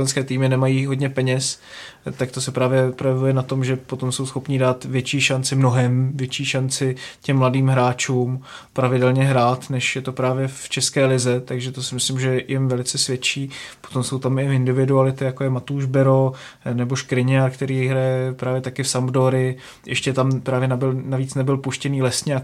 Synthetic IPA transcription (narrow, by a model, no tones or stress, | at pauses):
ɛnskɛːt̪iːmɪnɛmajiːɦo̞dɲɛpɛɲɛs | t̪ak̚t̪o̞sɛpɾaːvjɛpɾojɛvujɛnat̪o̞mʒɛpo̞t̪o̞mso̞wsxo̞pɲiːdaːt̪vjɛt͡ʃiːʃant͡sɪmno̞ɦɛmvjɛt͡ʃiːʃant͡sɪcɛmːladiːmɦɾaːt͡ʃuːm | pɾavɪdɛlɲɛɦɾaːt̪nɛʃjɛt̪o̞pɾaːvjɛft͡ʃɛskɛːlɪzɛt̪aɡʒɛt̪osɪmɪslɪmʒɛjɪmvɛlɪt͡sɛsvjɛt͡ʃiːpot̪o̞mso̞wt̪amɪʔɪndɪvɪdualɪt̪ɪjakojɛmat̪uʒbɛɾo̞ | nɛboʃkɾɪɲɪaɾkt̪ɛɾiːjɪɦɾajɛpɾaːvjɛt̪akɪfsambdoɾɪ | ʔɛʃcɛt̪ampɾaːvjɛnabɪlnaviːt͡snɛbɪlpuʃcɛniːlɛsɲɛa